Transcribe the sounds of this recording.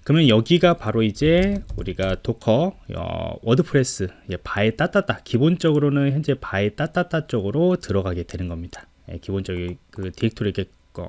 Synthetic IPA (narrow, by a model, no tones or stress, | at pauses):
kɯɾʌmjʌnjʌɡiɡapaɾoid͡ʑe̞uɾiɡatokʰʌʌ̰wʌdɯpʰɯɾe̞s͈ɯje̞paet͈at͈at͈akibont͡ɕ͈ʌɡɯɾonɯnçjʌnd͡ʑe̞paet͈at͈at͈at͡ɕ͈ʌɡɯɾotɯɾʌɡaɡe̞dwe̞nɯnɡʌmɲid̥ḁ | je̞̰kibont͡ɕ͈ʌɡikɯteik̚tʰoɾɯik͈ek͈o̰